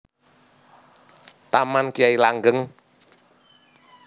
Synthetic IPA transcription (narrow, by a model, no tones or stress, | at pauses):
t̪amankiailaŋɡəŋ